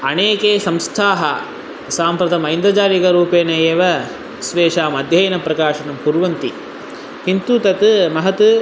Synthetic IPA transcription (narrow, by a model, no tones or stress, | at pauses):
ɐneːkeːsɐmst̪ʰaːɦɐ | saːmpɾɐt̪ɐmɐjnd̪ɾɐd͡ʒaːɾikɐɾuːpeːneeːʋɐ | sʋeːʂaːmɐd̪ʱjɐjɐnɐpɾɐkaːʂɐnɐmpuɾʋɐnt̪i | kint̪uːt̪ɐt̪mɐɦɐt̪u